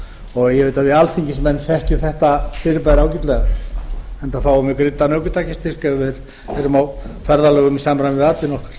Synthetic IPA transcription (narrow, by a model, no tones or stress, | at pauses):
ɔɣjɛvejt̪avɪalθiɲcɪsmɛnːθɛhcʏθɛht̪afɪɾɪpajɾɪawcit̪lɛɣa | ɛnt̪afaːwʏmɪkɾɪt̪ːanœːwkʏt̪aːcɪst̪ʰɪr̥kɛvɪɾ | ɛɾʏmawfɛɾðalœːɣʏmisamɾanvɪðat̪vɪnɔhkḁɾ̥